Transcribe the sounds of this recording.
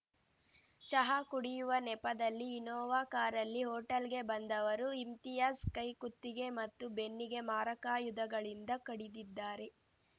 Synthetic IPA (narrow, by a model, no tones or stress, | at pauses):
t͡ʃɐɦaːkuɽijuʋɐnɛpɐd̪ɐlːiːnɔːʋaːkaːɾɐlːiɦoːʈɐlɡe̞bɐnd̪ɐʋɐɾuimt̪ijaskɐjkut̪ːiɡe̞mɐt̪ːube̞nːiɡe̞maːɾɐkaːjud̪ɐɡɐɭind̪ɐkɐɽid̪id̪ːaːɾe̞